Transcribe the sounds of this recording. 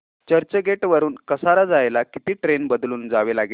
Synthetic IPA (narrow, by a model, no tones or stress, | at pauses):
t͡ɕəɾt͡ɕəɡʱeʈʋəɾuːnkəsaɾad͡zajlakit̪iːʈɾenbəd̪luːnd͡zaʋelaɡi